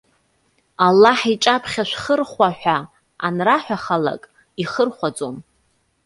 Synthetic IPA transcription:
alːaħiʈ͡ʂʼapʰχʲaʃʷᶣχərχʷaħʷᶣa | anraħʷᶣaχala̰kʼ | iχərχʷad͡zʼo̰m

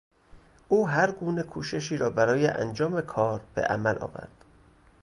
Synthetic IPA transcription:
ʔuːɦæɾɡuːnekʰuːʃeʃ̬iːɾɒːbæɾɒːjeʔæ̰nd͡ʒɒːme̞kʰɒːɾb̥ḛʔæ̰mælʔɒ̰ːvæ̰ɾd̪̥

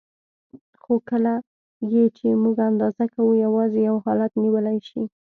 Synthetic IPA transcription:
xokəla | jet͡ʃemuɡand̪ɑzakawujawɑzejawhɑlat̪niwəlajʃi

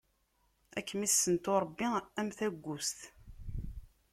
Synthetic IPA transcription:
ækːmisːənt̪oɾˤəbːiæmθæɡʷːust̪

